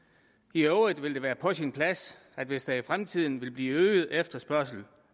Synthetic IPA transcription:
iɔʊðˠʋe̝ld̥eʋæːɐpʰɒ̽sinpʰlæs | æd̥ʋe̝sd̥ɑ̈ifʁamt͡sʰið̞̰ˠn̩ʋe̝lb̥liːøːɪð̞̩ˠefd̥ɐsb̥ɶɐ̰s̬l̩

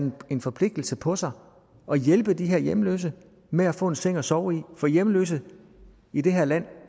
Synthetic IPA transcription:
e̝nfɒ̽pʰle̝ɡ̥̚d̥l̩səpʰɒ̽sɑ̈ɪ | ɒ̽jelb̥əd̥iɦɛɐ̰jemlø̰s̬ə | meæfɔ̰̽ːe̝nse̝ŋ̰ɒsɒʊifɒ̽jemlø̰sə | id̥e̝ɦæɐ̰læn̰

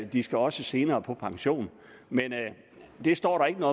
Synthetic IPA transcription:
d̥isɡ̥æɒ̽səse̝ːnɐːpʰɒ̽pʰɑ̈ŋɕo̝̰ːn | men | d̥e̝sd̥ɒ̰ːɾɑ̈e̝ɡ̥ənɔ̽

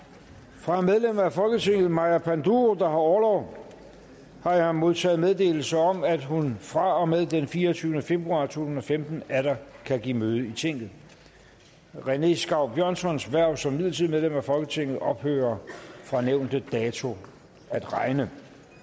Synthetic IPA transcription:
fʁɑ̈með̞ˠlem̰ɐæfɒ̽lɡ̥ət͡sʰeŋ̰ɡ̥ð̩ˠmɑ̈ɪæpʰænd̥uod̥ɑ̈ɦɑ̈ɒːlɒʊ̰ | hɑ̈jɑ̈ɪmo̝ð̞ˠt͡sʰɛ̰ːð̩ˠmeðˠd̥e̝̰ːl̩səɒ̽mæd̥ɦunfʁɑ̈ɒ̽með̞ˠd̥enfiːɐɒt͡sʰyːnəfe̝b̥ʁuɑ̰̈ːt͡sʰo̝̰ːt͡sʰusn̩nɒ̽femd̥n̩æɾɐkʰæɡ̥imøːð̞ˠəit͡sʰeŋ̰ɡ̥ð̩ˠ | ʁene̝sɡ̥ɑ̈ʊ̰b̥jɶɐ̰nsɒ̽nsʋæɐ̰̥sɒ̽mːiðˠlt͡sʰiðˠmeð̞ˠlemæfɒ̽lɡ̥ət͡sʰe̝ŋ̰ɡð̩ˠɒ̽b̥hø̰ːɐfʁɑ̈neʊ̰nd̥əd̥ɛːt͡sʰo̝ | æd̥ʁɑ̈ɪnə

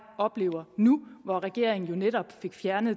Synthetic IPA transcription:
ɒ̽b̥le̝̰ːʊ̰ɐnuʋɒʁɛɡ̥e̝ɐ̰e̝ŋn̩jo̝neɾ̥ɒ̽b̥fe̝ɡ̥fjæɐnð̩ˠ

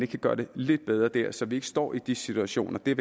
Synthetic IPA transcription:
neɡ̥k̚ʰæɡ̥ɶːɐd̥ele̝d̥̚b̥eð̞ˠʁɐd̥ɛɐ̰sɒ̽ʋie̝ɡ̥ə̥sd̥ɒ̰ːid̥isit͡sʰuæɕo̝̰ːnʔɐd̥e̝ʋ

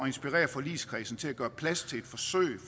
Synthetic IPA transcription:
ɒe̝nsb̥iʁɛ̰ːɐfɒ̽lḭːskʰʁḭːsn̩t͡sʰe̝læɡ̥ɶːɐpʰlæst͡sʰe̝le̝d̥fɒ̽sø̰ɪ

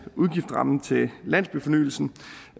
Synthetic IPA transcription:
uðˠɡ̥ifd̥ʁɑ̈mn̩t͡sʰe̝læn̰sb̥yfɒ̽ny̰ːl̩sn̩

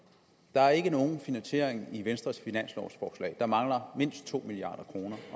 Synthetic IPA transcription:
d̥ɑ̈æɐe̝ɡ̥əno̝ːn̩finænsɕe̝̰ɐ̰eŋiʋensd̥ʁɐsfinæn̰slɒ̰sfɒːslɛ̰ːd̥ɑ̈mɑ̈ŋlɐme̝n̰sd̥̚t͡sʰo̝̰ːmiliɑ̰̈ːd̥ɐkʰʁo̝ːnɐ

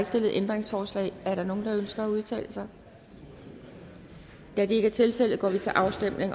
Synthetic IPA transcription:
ɡ̥sd̥e̝l̰ð̩ˠʔend̥ʁeŋsfɒːslɛ̰ɪæɐɾɑ̈no̝ːn̩d̥ɑ̈ønsɡ̥ɐæuð̞ˠt͡sʰɛ̰ːləsɑ̈ɪ | d̥æɐd̥e̝e̝ɡəæɐt͡sʰe̝lfel̰ð̩ˠɡ̥ɒ̰ːʋit͡sʰe̝lʔɑ̈ʊsd̥em̰ne̝ŋ

